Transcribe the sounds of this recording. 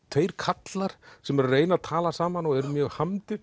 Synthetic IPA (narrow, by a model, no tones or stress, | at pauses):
t̪ʰejɾ̥kʰat̪laɾ̥sɛmɛɾreːjnat̪ʰaːlasaːmanɔɣɛɾmjœːɣhamt̪ɪ